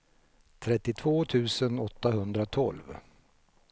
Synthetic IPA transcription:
t̪ʰɾɛt̪ːɪt̪ʰvoːt̪ʰʉ̟ːsənɔt̪ːaɦɵnd̪ɾat̪ʰɔ̰lv

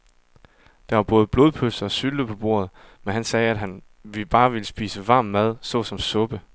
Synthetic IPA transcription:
d̥ɑ̈ʋɑ̈b̥ɔ̽ːð̞̩ˠəb̥lo̝ːð̞ˠpʰøsɐɒ̽syld̥əpʰɒ̽b̥o̝̰ɐ̰ð̞̩ˠ | menɦænsɛːæd̥ɦæn | ʋib̥ɑ̈ːʋiləsb̥ḭːsəʋɑ̈ːmːæð̞ˠsɒ̽sɒ̽msɔ̽b̥ə

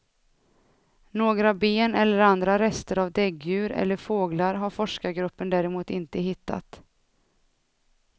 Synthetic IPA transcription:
noːɡɾabeːnɛlːəɾand̪ɾaɾɛst̪əɾavd̪ɛɡjʉ̟ːɾɛ̰lːəɾfoːɡlaɾɦaɾfɔʂkaɡɾɵpːənd̪æːɾɛmuːt̪ɪnt̪əɦɪt̪ːa̰t̪

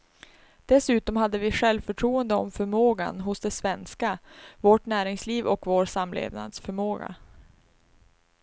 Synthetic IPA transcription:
d̪̥ɛsʉ̟ːt̪ɔmɦad̪ːəvɪɧɛlvfœʈʰɾuːənd̪əɔ̰mfœɾmoːɡa̰nɦʊsd̪ɛsvɛnskavoːʈnæːɾɪŋsliːvɔkvoːɾsamlḛːvna̰d̪sfœɾmoːɡa̰

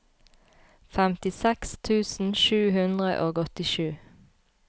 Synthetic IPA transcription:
fɛmt̪ɪsɛkst̪ʰʉːsn̩ʃʉːhʉnd̪ʁə̰ʔoːɡɔt̪ɪʃʉː

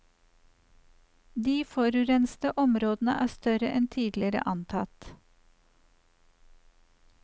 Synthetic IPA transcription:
d̪iːfoːɾʉɾɛnst̪əʔɔmɾoːd̪n̩əʔæːst̪œɾəʔɛnt̪ʰiːd̪lɪɾə̰ʔɑnt̪ʰɑt̪

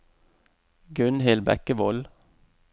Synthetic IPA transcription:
ɡʉnhɪlbɛ̰kəʋɔl

